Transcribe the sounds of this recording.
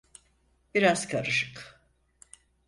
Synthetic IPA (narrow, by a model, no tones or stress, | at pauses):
biɾaz̥kʰaɾɯʃɯk